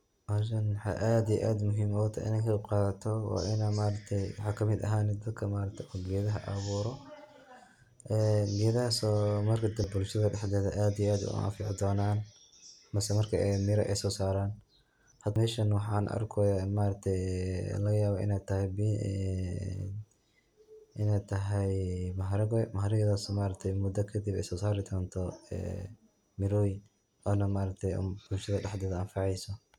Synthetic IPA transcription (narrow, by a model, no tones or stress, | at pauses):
ʔaːʃɐnwɑħɑ̰ːʔaːd̪ij̰ʔaːd̪mʊɦiːmɔwt̪ʰɐ̰ʔɪ̰nɛkʰɐqɑːðɐt̪ʰɔwa̰ːʔɪnamaːɾɐt̪ʰɛjwɑħɑːkʰɐmɪd̪ɐ̰ɦaːnɛd̪ɐd̪kʰɐmaːɾɐt̪ʰɛʔɔːɡɛːðɐɦɐ̰ʔɐβuːɾɔ | ʔɛːɡɛːðɐɦɐsɔmɐrkʰɐd̪ɐbʊlʃɐðɐɖɛħd̪ɛːðɐʔaːd̪ijɛaːd̪ʊ̰ʔɐ̰fɪʕd̪ɔːnaːn | mɐsɛmɐrkʰɐɛmɪɾɐ̰ʔɛjsɔːsaːɾaːn | hɐd̪mɛːʃɐnwɑħɑ̰ːnʔɐ̰rkʰɔmaːɾɐkt̪ʰɛjlɐɣɐjaːβɔʔɪ̰nɛt̪ʰɐhɛjb | ɪnɛjt̪ʰɐɦɛjmɐɦɐɾɐɡɔmɐɦɐɾɪɣɛðɐsmaːɾɐk̚t̪ʰɛjmʊd̪ɐkʰɐd̪ibɛ̰jsɔːsaːɾɪd̪ɔːnt̪ʰɔɛ̰ː | mɪɾɔj | ɔːnɐmaːɾɐk̚t̪ʰɛjb̥ʊlʃɐðɐɖɛħd̪ɛːðɐɐnfɑʕɛjsɔ